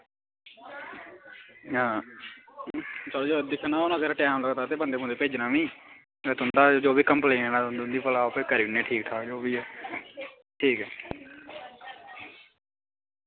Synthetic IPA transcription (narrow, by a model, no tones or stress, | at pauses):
ãː | t͡ʃəloːd͡ʒoːd̪ɪkʰːnãːoːnãːkəɾʈɛːmləɡt̪aːt̪eːpənd̪eːb̃nd̪eːpeːd͡ʒnãːʋĩː | t̪eːt̪ʊnd̪aːd͡ʒoːbiːkəmpləiɛ̃ːnãːnd̪ʊnd̪iːpəlaːopɪkəɾiːneːʈʰiːk̚t̪ʰaːd͡ʒoːʋiːɛː | ʈʰiːkɛː